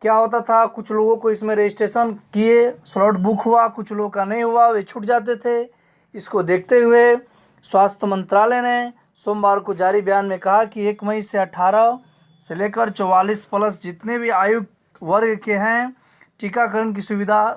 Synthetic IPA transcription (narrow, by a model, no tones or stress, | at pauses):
kjaːɦoːt̪̬at̪ʰakʊt͡ʃʰloːɡõkoɪsmẽɾeːd͡ʒɪsʈeːʃənkieslɔːʈbʊkʰɦʊakʊt͡ʃʰloːɡkanɐɦĩɦʊaʋet͡ʃʰʊʈ̚d͡ʒaːt̪̬et̪ʰe | ɪskod̪eːkʰt̪eɦʊe | swaːst̪ʰjəmə̃nt̪ɾaːlene | soːmbaːɾkod͡ʒaːɾibjaːnmẽkɐɦakieːkmɐɪseɐʈʰaːɾə | seleːkəɾt͡ʃɔwaːliːspɐləsd͡ʒɪt̪nebʱiaːjʊɡ̚ | ʋəɾɡkeɦɛ̃ | ʈikakəɾənk̬isʊʋɪd̪ʱa